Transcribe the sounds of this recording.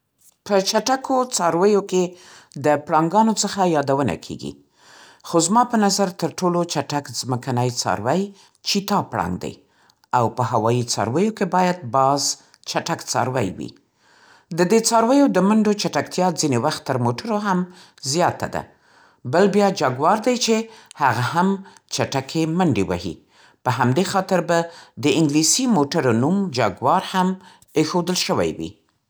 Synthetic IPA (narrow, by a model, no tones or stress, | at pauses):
pət͡ʃaʈakʰot͡sɑɾwəjoked̪əpɽɑŋɡɑnot͡səxajɑd̪awəna̰kʰḛɡḭ | xozmɑpənazaɾt̪əɾʈolot͡ʃaʈakzməkanəjt͡sɑ̰ɾwaj | t͡ʃit̪ɑpɽɑ̰ŋɡd̪a̰j | awpəhawɑjit͡sɑ̰ɾwəjokebɑjad̪̚bɑz | t͡ʃaʈakt͡sɑ̰ɾwa̰jwḭ | d̪əd̪et͡sɑɾwəjod̪əmaɳɖot͡ʃaʈakt̪jɑzinewaxt̪ːəɾmoʈaɾoɦam | zjɑt̪a̰d̪a̰ | bəlbjɑd͡ʒaɡwɑɾd̪ajt͡ʃehaɣaham | t͡ʃaʈakʰemaɳɖewa̰hḭ | pəɦamd̪exɑt̪ɪɾbad̪əɪŋɡlisimoʈaɾonumd͡ʒaɡwɑɾham | exod̪əlʃəwa̰jwḭ